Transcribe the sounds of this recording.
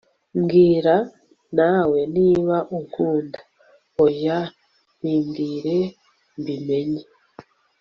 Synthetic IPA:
mɡiːɾa | nawe̞niːβaʔukʰuːndḁ | oja | nimɡiːɾe | mbime̞ɲe

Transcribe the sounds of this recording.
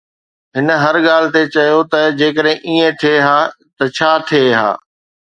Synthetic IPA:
ɦɪn̆ɦɐɾɠaːl̤ɪt̪et͡ɕɐjot̪ɐd͡ʑeːkəɗɦɪ̃ʔiːẽt̪ʰieɦaː | t̪ɐt͡ɕʰaːt̪ʰieɦa̰ː

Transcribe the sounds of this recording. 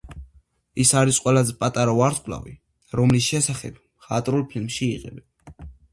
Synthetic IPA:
isaɾisqʼwɛlazɛpʼat̪ʼaɾaɔaɾt̪ʰkʼlˠa̰vḭ | ɾɔmlisʃɛsaχɛb̚mχat̪ʼɾulˠpʰilmʃiːqʼɛ̰bɛn

